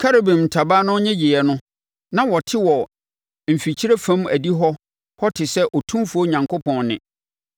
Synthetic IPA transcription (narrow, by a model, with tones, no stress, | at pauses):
kʰa˦ɾe˨bɪ̃˨m̩˨tʰa˨baː˦nʊ̃˦ɲɛ̃˦d͡ʑi˨ɛ˨nʊ̃˦ | nã˨wɔ˨tʰɪ˦wɔ˨ | m̩˨fi˨t͡ɕʰi˦ɾe˦fã˦mæ̰˨di˦ɦɔ˦ | hɔ˦tʰɪ˨sɛ˦ʔɔ˨tʰũ˦mfu˦o˦ɲã˨ŋkʰo˦pʰɔ̃˨nːɪ̰̃˨